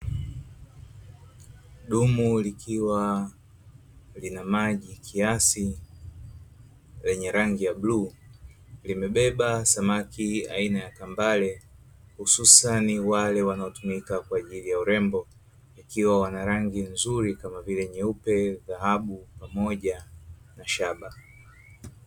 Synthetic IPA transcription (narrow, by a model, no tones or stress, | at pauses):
ɗumulikʰiwa | linamaʄikʰiasi | lɛɲɛɾaŋɡijabluː | limɛɓɛɓasamakia̰inajakambalɛ | hususaniwalɛwanaɔtumikakwaːʄilijauɾɛmbɔ | ikiwawanaɾaŋɡinzuɾikamavilɛɲɛupɛðaɦaɓupamɔʄa | naʃaɓa